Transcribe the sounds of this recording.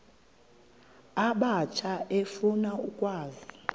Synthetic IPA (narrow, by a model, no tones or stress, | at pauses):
aɓat͡ʃʰaʔefunaukʼwaːzi